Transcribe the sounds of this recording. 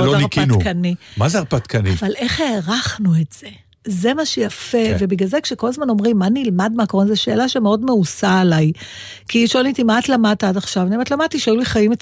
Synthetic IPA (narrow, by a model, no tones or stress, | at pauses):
loaniʁkinukanimazeaʁpat̪kanḭvale̞χheːʁaχnuetz̥e̞ | ze̞maʃejafe̞vebiɡlazekʃeko̞lazmano̞mʁimːanilmad̪meakoʁonzeʃeːlaʃemeo̞dme̞usaːlajkiʃonit̪imatlamad̚t̪aadaχʃavnimatlamad̚t̪iʃajuliχajime